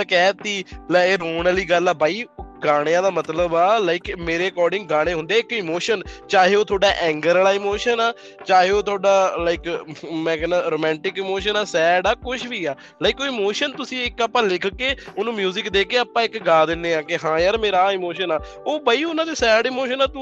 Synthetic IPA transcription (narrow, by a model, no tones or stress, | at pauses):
t̪əkɛːt̪iːlɛɾoːɳːliːɡəlaːbaːiːɡaːɽ̃ejãːd̪aːmət̪ləbaːlaːɪkmeːɾeːəkɔːɾɖɪ̃ŋɡɡaːɽ̃eːɦʊ̃nd̪eːɪkɪmoːʃənt͡ʃaːɦeːoːt̪ʰoːɖaːʔɛ̃ːŋɡəɾlaːɪmoːʃənaː | t͡ʃaːɦeːoːt̪ʰʊoːɖaːlaɪkmɛ̃ːkɛːnãːɾoːmɛ̃ːɳʈɪkɪmoːʃənaːsɛːɖaːkʊʃʰʋiːaː | laːɪkoːɪːmoːʃənt̪ʊsĩːɪkəpãːlɪkʰkeːonũːmjuːzɪkd̪eːkeːapãːɪkɡaːd̪ɪnːeːãːkɪɦãːjəːɾmeːɾaːɪmoːʃənaː | oːbaːiːʊnãːd̪eːsɛːɖɪːmoːʃənaːt̪u